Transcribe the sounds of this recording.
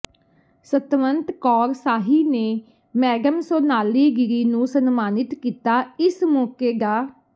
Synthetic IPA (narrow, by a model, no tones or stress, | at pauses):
sət̪mənt̪kɔːɾsaːɦiːneː | mɛːɡəmsoːnaːliːɡɪɾiːnũːsənmaːnɪt̪kiːt̪aːɪsmõːkeːɡaː